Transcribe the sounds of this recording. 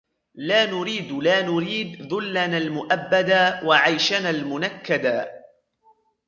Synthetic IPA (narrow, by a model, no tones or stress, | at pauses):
laːnʊɾiːd̪laːnʊɾiːd̪ðʊlːanaːlmʊʔabːad̪awaʕajʃanaːlmʊnakːad̪aː